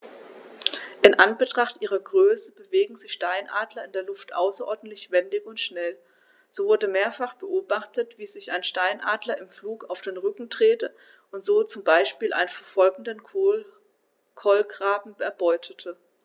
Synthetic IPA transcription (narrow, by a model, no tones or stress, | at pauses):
ʔɪnʔanbətʁ̥aχtʔiːʁɐɡʁøːsəb̥əveːɡŋ̩zɪçʃtaɪnʔa̰ːdlɐɪndeːɐlʊftʔa̰ʊsɐʔɔɐdn̩tlɪçv̥ɛndɪçʊntʃnɛl | z̥oːvʊɐdəmeːɐfaχb̥əʔoːbaχtətv̥iːzɪçaɪnʃtaɪnʔaːdlɐɪmfluːkaʊfd̥eːnʁʏkŋ̩tʁ̥eːtə | ʔʊntz̥oːt͡sʊmbaɪʃpiːlʔa̰ɪnənfɛɐfɔlɡŋ̩dən | kʰɔlɡʁaːbm̩ɛɐbɔʏtʰətʰə